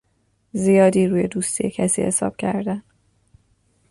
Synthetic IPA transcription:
zijɒːd̪iːɾuːje̞d̪uːst̪ʰijecʰæsḭːhe̞sɒ̰ːb̥̚cʰæ̰ɾd̪æn

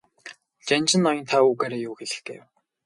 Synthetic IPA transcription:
t͡ɕant͡ɕɪ̆nːɔjɞ̆nt̪ʰauːɣaːɾeːjuːxeɮɘ̆xɡḛːw

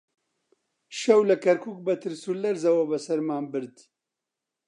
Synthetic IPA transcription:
ʃɐwlɐkɐɾkʰuːk̚bɐt̪ʰɨɾsulɐɾzɐwɐbɐsɐɾmaːnbɨɾd̪

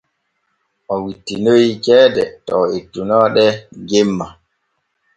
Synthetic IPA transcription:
ʔɔwitːinojikɛːdɛtɔetːunɔɗɛɡemːa

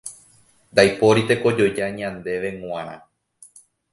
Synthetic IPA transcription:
nd̪ajpo̞ɾit̪e̞ko̞d͡ʒo̞jd͡ʒaɲãnd̪e̞ʋe̞ŋw̃ãɾã̰

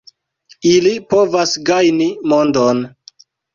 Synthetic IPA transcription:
ilipo̞vasɡajnimondon

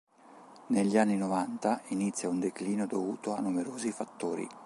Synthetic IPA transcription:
neʎːianːinovant̪ainit̪sːjaund̪ekliːnod̪ovuːt̪oanːumeɾoːzifat̪ːoːɾḭ

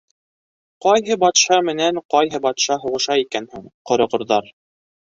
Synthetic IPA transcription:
qɑjɦɤbɑt̪ʃɑmɘ̆næɴqɑjɦɤbɑt̪ʃɑɦŏʁɤ̆ʃɑikænhuɴqŏɾɤ̆ʁŏɾðɑɾ

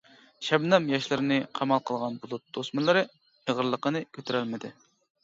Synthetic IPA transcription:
ʃɛbnɛmjɑʃlˠɨɾnɨqʰɑmɑlˠqʰəlˠʁɑnbulˠut̪̚d̪̥osmɨnlˠɨɾɨ | əʁəɾlˠəqənɨkʲʰøt̪ʰyɾælmɪd̪ɪ

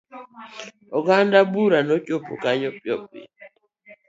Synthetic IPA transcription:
ɔɡandabuɾanɔcʼopṵkaɲɔpʼjɔ̰p̚ḭ

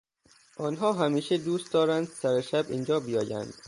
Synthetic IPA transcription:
ʔɒːnɦɒːɦæmiːʃed̪uːst̪̚d̪ɒːɾænd̪sæɾeʃæbḭːnd͡ʒɒːbijɒːjæ̰nd̪̥

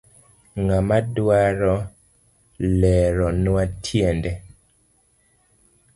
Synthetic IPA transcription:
ŋamadwaɾɔ | lɛɾɔnwatʰjendɛ

